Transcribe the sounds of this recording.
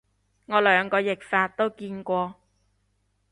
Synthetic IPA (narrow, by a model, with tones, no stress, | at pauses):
ŋɔː˨˧lœː˨˧ŋkɔː˧jɪ˨k̚faː˧t̚t̪o˥wkiː˧nkʷɔː˧